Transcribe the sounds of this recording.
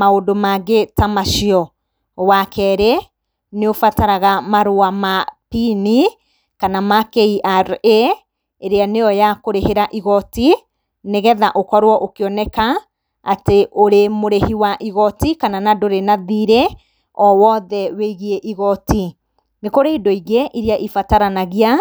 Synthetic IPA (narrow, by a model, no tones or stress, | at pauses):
maodomaɡetamaʃiɔ | wakʰɛɾɛ | neofataɾaɣamaɾoamapini | kanamakeiʔaɾe | eɾeaneɔjakoɾeheɾaʔiɣɔti | neɣɛðaʔokɔɾwɔʔokeɔnɛkaː | teʔoɾemoɾehiwaʔiɣɔtikananadoɾenaðiɾe | ɔwɔðɛweiɣieʔiɣɔti | nekoɾeidoiɣeʔiɾiaʔifataɾanaɣia